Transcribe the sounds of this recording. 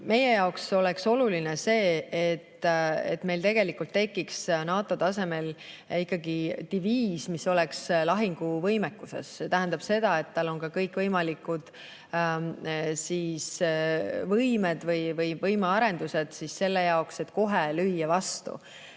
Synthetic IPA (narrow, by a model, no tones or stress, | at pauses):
me̞je̞jɑokso̞le̞kso̞lulinese̞ːet̪ːḛt̪me̞jlt̪e̞ɡ̥elikːˑult̪ːe̞kːiksnɑːt̪ːˑo̞t̪ɑse̞me̞likːɑɡit̪iviːsmiso̞lekslɑɦiŋɡ̥uvɤjmekːˑusḛsːet̪æɦæ̃nd̪ɑb̥se̞d̪̥ɑe̞t̪ːɑlo̞nkɑkɤjkˑvɤjmɑlikːud̪̥ | siːs | vɤjmed̪̥vɤjvɤjvɤjmeɑɾe̞nd̪̥use̞d̪̥sisːe̞lːejɑokse̞t̪ko̞ɦelyjːɑvɑst̪ṵ